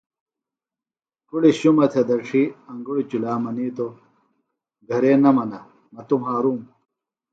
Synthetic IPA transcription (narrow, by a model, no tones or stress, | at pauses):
kuɽiɕumɐt̪ʰed̪ɐɾʈ͡ʂʰiɐŋɡuɽit͡ɕulaːmɐniːt̪o | ɡʱɐɾeːnɐmɐnɐ | mɐt̪umɦaːɾum